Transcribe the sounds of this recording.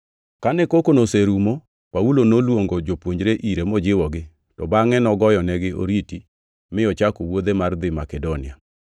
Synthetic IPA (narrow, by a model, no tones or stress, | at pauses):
kanɛkokonoseɾumo | paulonolwoŋɡod͡ʒopwoɲd͡ʒɾeʔiɾemɔd͡ʒɪwɔɡɪ | tɔbaŋɛnɔɡɔjɔnɛɡɪʔo̰ɾiti | mɪɔt͡ʃakowod̪emard̪ɪmakɛdonɪa